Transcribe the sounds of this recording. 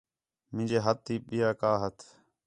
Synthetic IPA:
mɪ̃d͡ʒeːɦət̪̚ːiːɓɪjaːkaːɦət̪ʰ

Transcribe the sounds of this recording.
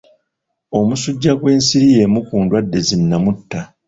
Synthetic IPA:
o̞musuɟːaɡwe̞ːnsiɾije̞ːmukuːndwadːe̞zinːamutːa

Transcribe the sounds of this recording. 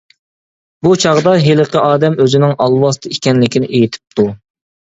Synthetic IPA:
but͡ʃʰɑʁd̪ɑɦeləqʰəʔɑːd̪ɛmøzɪnɪŋɑlˠwɑst̪ɨikʲɛnlɪkʲinɪʔejit̪ʰɪ̥p̚t̪ʰu

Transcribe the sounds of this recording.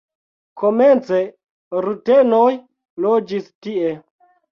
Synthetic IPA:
kʰoment͡se | ɾutenoj | lod͡ʒistie

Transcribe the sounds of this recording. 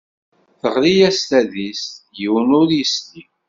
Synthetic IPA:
θəʁɾijæst̪æðist̪jiwnʊɾjəst̪i

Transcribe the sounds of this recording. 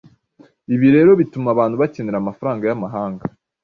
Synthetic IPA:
iβiɾe̞ːɾo̞βitumaβaːn̥huβaceneɾamafaɾaːŋɡajamaɦaːŋɡa

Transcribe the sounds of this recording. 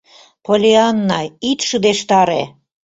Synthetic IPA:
polʲeɑnːɑit̪ʃəd̪eʃt̪ɑɾe

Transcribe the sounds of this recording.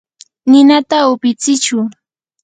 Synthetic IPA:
nɪnat̪aʊpɪt͡sɪt͡ʃʊ

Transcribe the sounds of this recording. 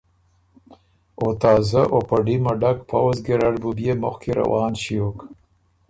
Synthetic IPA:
ot̪ɑːzaʔopaɖimaɖakpʰawzɡeɾaɖbubjemʊ̰xkiɾa̰wɑːnʃijok

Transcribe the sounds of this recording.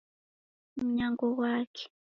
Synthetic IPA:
m̩ɲaŋɡɔwaːkʰɛ̥

